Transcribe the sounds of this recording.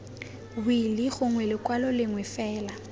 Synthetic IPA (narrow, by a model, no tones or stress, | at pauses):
bʊilɪɣʊŋwɛlɪkwalɔlɪŋwɛfɛːla